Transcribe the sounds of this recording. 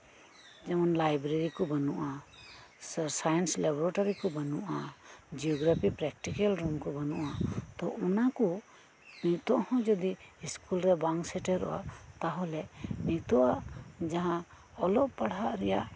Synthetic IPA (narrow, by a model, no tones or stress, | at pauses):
d͡ʒɛmanlajbɾeɾikɔbanuʔa | ssajɛnslabɔɾaʈɔɾikɔbənuʔad͡ʒiɔɡɾapʰipɾɛk̚ʈikɛlɾumkɔbənuʔat̪ɔʔunakɔ | nit̪ɔʔhɔ̃d͡ʒɔd̪iːskulɾɛbaŋsɛʈɛɾɔ̰a̰t̪aɦɔlɛniʔt̪ɔʔaʔd͡ʒaɦã | ɔlɔʔpaɽɦaʔɾɛja̰ʔ